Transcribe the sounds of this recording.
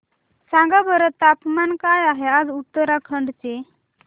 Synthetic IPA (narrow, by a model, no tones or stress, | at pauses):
sãŋɡabəɾət̪ːapmankajaɦead͡zut̪ːəɾakʰəɳɖt͡se